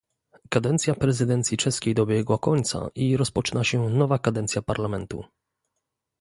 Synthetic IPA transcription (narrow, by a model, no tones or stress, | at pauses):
kad̪ɛnt̪sʲjapɾɛzɘd̪ɛnt̪sʲjit͡ʂɛskʲejd̪ɔbʲjɛɡwakɔɲt̪sa̰ʔiɾɔspɔt͡ʂɘnaɕɛnɔvakad̪ɛnt̪sʲjapaɾlamɛnt̪ṵ